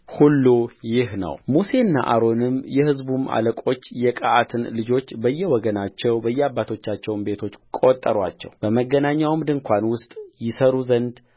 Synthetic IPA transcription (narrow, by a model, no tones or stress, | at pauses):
hulːujɪɦnə̰wmuse̞ɨnːa̰ʔaɾo̞nɨmjɛhɨzbuma̰ləkʼo̞t͡ʃːjɛkʼaat̪ʰɨnlɨd͡ʒo̞t͡ʃːbəjːɛwɔɡənat͡ʃːɛwbəjːɛabːat̪ʰo̞t͡ʃːat͡ʃːɛwnbe̞t̪ʰo̞t͡ʃːkʼo̞t̪ʼːəɾwa̰t͡ʃːɛ̰wb̥əməɡːənaɲːawmd̪ɨŋkʷʰanwʊst̪ʼjɪsəɾuzənd̪